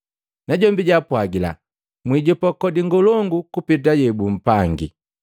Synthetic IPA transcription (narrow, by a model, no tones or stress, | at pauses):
naɟɔmbiɟapwaɡila̰ | mwiɟɔpakɔdiŋɡɔlɔŋɡukupitajɛbum̩paŋɡḭ